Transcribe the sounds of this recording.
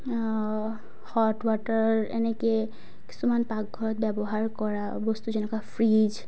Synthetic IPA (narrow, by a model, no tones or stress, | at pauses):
hɔʈwaʈaḛnɛke | ki̥sumanpak̚ɡʱɔɹɔt̪̚bɛbɔɦaɹkɔɹa | bɔst̪ud͡ʒɛnɛkapʰɹid͡ʒ